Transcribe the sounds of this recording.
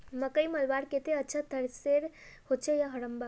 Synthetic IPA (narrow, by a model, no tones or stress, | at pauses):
məkəjməlʋaɽket̪eətːt͡ʃʰat̪əɾseɾhot͡ʃʰejaɦəɽəmba